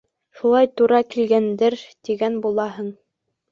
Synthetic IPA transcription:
ʃulˠɑjt̪uɾɑkilɡænd̪ɘɾt̪iɡænbulˠɑɦɤɴ

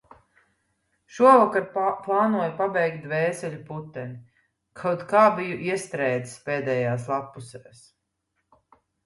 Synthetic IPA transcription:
ʃuɔvakaɾplˠaːnuɔjpabɛjkt̪̚d̪vɛːsɛʎʲuput̪ːɛni | kʰawt̪kaːbijuʔiɛst̪ɾɛːd̪ispɛːd̪ɛːjaːslˠapːusɛːs

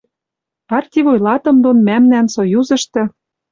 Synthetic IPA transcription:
ɑrt̪ʲivojlɑt̪ɤ̆md̪onmæmnænsojuzɤ̆ʃt̪ɘ̆

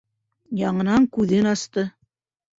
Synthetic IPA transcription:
jɑɴɤ̆nɑŋkʉðɘnɑst̪ɤ

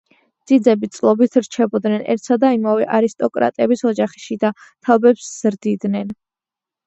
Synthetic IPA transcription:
d̪z̥id̪zɛbit̪sʼlˠɔbit̪ʰɾt͡ʃʰɛbɔd̪nɛnɛ̰ɾt̪ʰsad̪aimavɛʔaɾist̪ʼɔkʼɾa̰t̪ʼɛbisɔd͡ʒaχi̥ʃid̪at̪ʰabɛpsz̥ɾd̪id̪nɛn

